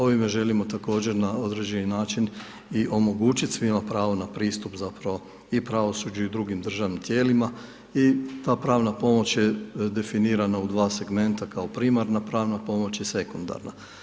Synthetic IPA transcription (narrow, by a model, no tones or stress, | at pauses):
o̞ʋime̞ʒe̞limo̞t̪ako̞ːd͡ʒe̞ɾnao̞d̪ɾe̞d͡ʑe̞ninaːt͡ʃin | iʔo̞mo̞ɡuːt͡ʃit̪sʋimapɾaːʋonapɾiːst̪upzapɾaʋo̞ | ipɾaʋo̞sud͡ʒuid̪ɾuɡimd̪r̩ʒaʋnimt̪je̞ːlima | it̪aːpɾaːʋnapo̞mo̞t͡ɕjed̪e̞finiːɾanaud̪ʋaːse̞ɡme̞nt̪akaopɾiːmaɾnapɾaːʋnapo̞mo̞t͡ʃjese̞kund̪a̰ɾna